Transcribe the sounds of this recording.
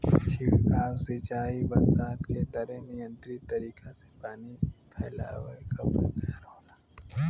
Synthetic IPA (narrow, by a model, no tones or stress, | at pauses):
t͡ʃʰiaːwset͡ʃaːibɐɾsaːt̪ket̪ɐɾenijə̃nt̪ɾit̪ɐɾiːkasepaːnipʰɛːla̰ːwekɐpa̰kaːɾoːlaː